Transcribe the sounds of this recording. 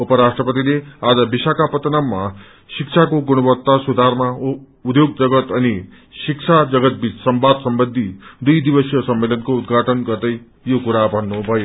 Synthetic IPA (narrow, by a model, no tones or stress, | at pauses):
upʌɾasʈrʌpət̪ilead͡zʌbisakapʌt̪namːa | sikt͡ʃʰakoɡuɽʌbʌt̪ːasud̪ʱaɾma | ud̪joɡ̚d͡zʌɡʌt̪ʌni | sikt͡ʃʰad͡zʌɡʌt̪̚bit͡ssʌmbad̪sʌmbənd̪ʱid̪ujd̪ibʌsjʌsʌmːelʌnkoud̪ɡʱaʈʰʌnɡʌɾd̪ʌj | jokuɾabʱʌnːubʱʌjo